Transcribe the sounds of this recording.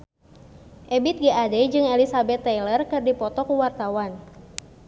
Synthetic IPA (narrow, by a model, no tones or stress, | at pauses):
ʔɛbit̪̚ɡiadɛd͡ʒɨŋɛlisabɛt̪ːɛjlərkɨrdipɔt̪ɔkuwart̪awan